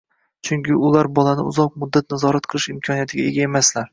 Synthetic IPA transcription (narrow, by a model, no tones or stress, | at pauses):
t͡ʃʰʊŋkʲɪʊlaɾbɒlˠanɪʊ̰zɒq̚mʊd̪ːat̪̚nazɒɾat̪qʰɨlˠɪʃɪmkʰɒnijat̪ʰɪɡʲae̞ɡʲaemaslaɾ